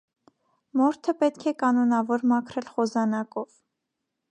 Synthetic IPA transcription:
mɔɾt̪ʰəpɛt̪kʰɛkɑnɔnɑvɔɾmɑkʰɾɛlχɔzɑnɑkɔv̥

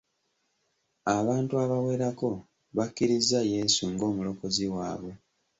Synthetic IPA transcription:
aβaːntuaβawe̞ːɾako̞ | βakːiɾizaje̞suŋɡo̞ːmulo̞ko̞ziwaːβe

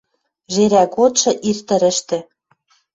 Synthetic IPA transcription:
ʒeɾækot̪ʃɤ̆ʔirt̪ə̆ɾɘ̆ʃt̪ɘ̆

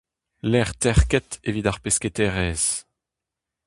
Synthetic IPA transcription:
lɛʁt̪ɛʁkɛt̪evid̪aʁpesket̪ɛʁɛːz̥

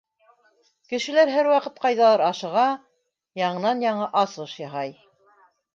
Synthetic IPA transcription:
kɘ̆ʃɘ̆læɾɦæɾwɑqɤt̪̚qɑjðɑlˠɑɾɑʃɤ̆ʁɑ | jɑɴɤ̆nɑnjɑɴɤʔɑsɤʃjɑɦɑj

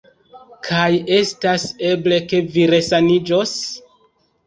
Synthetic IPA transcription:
kʰaje̞stase̞ble̞ke̞viɾe̞sanid͡ʒo̞s

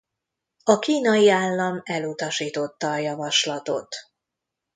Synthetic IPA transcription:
ɒkiːnɒjiaːlːɒmɛlut̪ɒʃiːt̪o̞t̪ːɒːjɒvɒʃlɒt̪o̞t̪

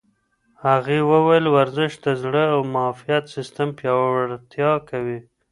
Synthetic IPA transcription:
haɣewəwajəlwaɾzɪʃd̪azɽəawmɑfijat̪sɪst̪ampjɑɽt̪jɑkawi

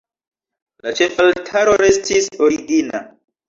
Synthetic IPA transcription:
lat͡ʃe̞faltʰaɾo̞ɾe̞stiso̞ɾiɡina̰

